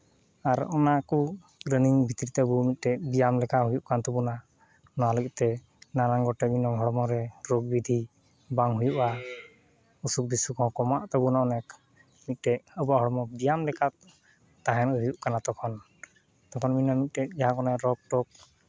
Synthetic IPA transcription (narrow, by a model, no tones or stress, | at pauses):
aɾɔnaku | ɡɾəniŋbʱit̪iɾit̪ɛəbumit̪̚ˀʈɛʔbijamlɛkaɦujuʔkant̪ɔbuna | nɔwaləɡɛt̪ɛ | naɾaŋɡɔʈɛminɔɦɔɽɔmɔɾɛɾoɡ̚bid̪ʱi | baŋɦujuʔa | usuk̚bisukɔ̃kɔmaʔt̪əbunaɔnɛk | mit̪̚ˀʈɛʔəbɔaɦɔɽɔmɔbijamlɛkat̪ | t̪aɦɛnɦujuʔkanat̪ɔkʰɔn | t̪ɔkʰɔnminɔmit̪̚ʈɛd͡ʒaɦakɔnɛɾɔk̚ʈɔk̚